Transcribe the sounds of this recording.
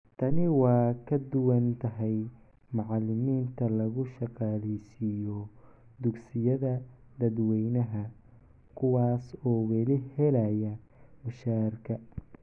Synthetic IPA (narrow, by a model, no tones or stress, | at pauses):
t̪ʰɐnɪwɑːkʰɐd̪ʊwɐnt̪ʰɐɦɛj | mɑʕɑlɪmiːnt̪ʰɐlɐɣʊʃɑqɑːlɛjsɪjɔ | d̪ʊɡsɪjɐðɐ | d̪ɐd̪wɛjnɐɦɐ | kʰʊwɑːsɔːwɛlɪhɛlɐjɐ | mʊʃaːrkʰɐ